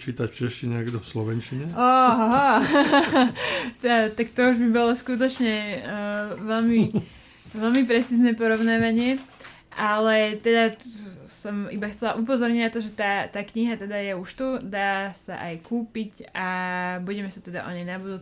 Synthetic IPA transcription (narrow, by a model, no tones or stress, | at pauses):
t͡ʃiːt̪acft͡ʃɛʃciɲɛaɡd̪ɔfslɔʋɛnt͡ʃiɲɛɔɦɦa | t̪ɛd̪at̪akt̪ɔuʒbibɔlɔskut̪̬ɔt͡ʃɲɛ | ʋɛlmi | ʋɛlmipɾɛt͡siːznɛpɔɾɔʊnaːʋaɲɪɛ | ʔalɛt̪ɛd̪a | sɔmibaxt͡sɛlaʔup̬ɔzɔɾɲinat̪ɔʒɛt̪aːt̪aːkɲiɦat̪ɛd̪ajɛuʃt̪ud̪aːsa̰ʔajkuːpicabuɟɛmɛsat̪ɛd̪a̰ʔɔ̰ɲɛjnabud̪uː